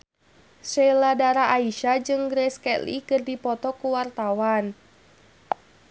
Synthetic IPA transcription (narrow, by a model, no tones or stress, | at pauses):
sɛladaɾaʔaiʃad͡ʒɨŋɡɾɛskɛlḭkɨrdipɔt̪ɔkuwart̪awan